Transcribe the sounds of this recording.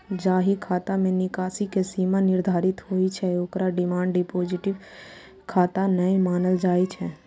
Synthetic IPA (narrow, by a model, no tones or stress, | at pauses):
d͡ʒaːɦikʰaːt̪amẽnɪkaːsikesiːmanɪɾd̪ʱaːɾɪt̪ɦoːit͡ʃʰɛokɾaɖɪmãːɳɖɖɪpoːd͡ʒɪʈɪʋ | kʰaːt̪anəemaːnəld͡ʒaːit͡ʃʰɛ